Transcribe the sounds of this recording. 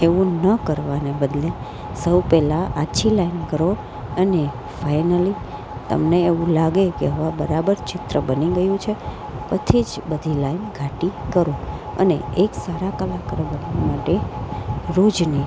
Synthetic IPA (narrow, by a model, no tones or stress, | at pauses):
eʋũnəkəɾʋanebəd̪le | səwpɛlaʔaʃʰilainkəɾo | əne | fajnəli | t̪ə̰mneːʋũlaɡekeɦəʋãbəɾabəɾt͡ʃɪt̪ɾəbəniɡəjũt͡ʃʰe | pət̪ʰid͡ʒbəd̪ʱilainɡʱaʈikəɾoə̰nḛeksaɾakəlakɾbənʋamaʈe | ɾod͡ʒni